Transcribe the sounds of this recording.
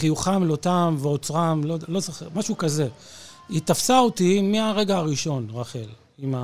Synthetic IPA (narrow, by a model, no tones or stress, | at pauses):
χijuχamlo̞t̪amveot͡sʁamlodlo̞zaχemaʃukaze̞ | it̪afsaot̪imiaʁe̞ɡaːʁiʃo̞nʁaχe̞l | ima